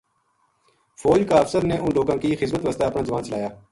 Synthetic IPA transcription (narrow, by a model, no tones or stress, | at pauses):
fʰoːd͡ʒkaːəfsəɾneːʔʊ̃nɖoːkãːkiːxɪzmət̪ʋəst̪aəpnãːzəʋaːnt͡ʃəlaːjaː